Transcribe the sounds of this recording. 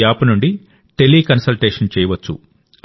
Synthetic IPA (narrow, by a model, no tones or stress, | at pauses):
aːpɐnuɳɖi | ʈeliːkɐnsɐlʈeːʂɐnt͡ʃɛːjɐʋɐt͡ʃːṵ